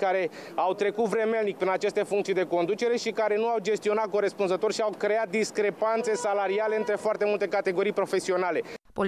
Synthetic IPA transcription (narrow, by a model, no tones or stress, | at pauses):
kaɾe̞ | awt̪ɾe̞kut̪vɾe̞melnik̚pɾinat͡ʃest̪e̞fuŋkt̪sijd̪e̞ko̞nd̪ut͡ʃe̞ɾe̞ʃikaɾe̞nuawd͡ʒe̞st̪io̞nat̪̚ko̞ɾe̞spunzət̪o̞rʲʃiawkɾe̞at̪̚d̪iskɾe̞pant̪se̞salaɾiale̞ɨnt̪ɾe̞foart̪e̞mult̪e̞kat̪e̞ɡo̞ɾijpɾo̞fe̞sio̞nale̞po